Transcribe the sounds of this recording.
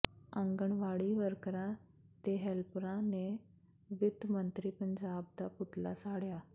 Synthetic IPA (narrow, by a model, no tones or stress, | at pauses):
ə̃ŋɡəɳʋaːɭiːʋəɾkɾãː | t̪eːɦɛlpɾãːneː | ʋɪt̪mə̃nt̪ɾiːpəɲd͡ʒaːb̚d̪aːpʊt̪la̰ːsaːɽjaː